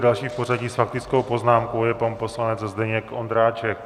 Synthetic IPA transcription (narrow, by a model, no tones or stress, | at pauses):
dalʃiːpo̞raɟiːsfak̚t̪ɪt͡sko̞wpo̞znaːmko̞wjɛpanpo̞slanɛt͡szdɛɲɛkʔond̪ɾaːt͡ʃɛk